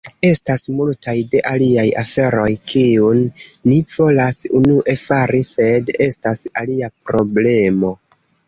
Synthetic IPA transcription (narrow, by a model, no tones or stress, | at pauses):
e̞stasmultajde̞ʔaliajafe̞ɾo̞jkʰiunːiv̥o̞lasunuʔe̞faɾise̞de̞stasaliapɾo̞ble̞mo̞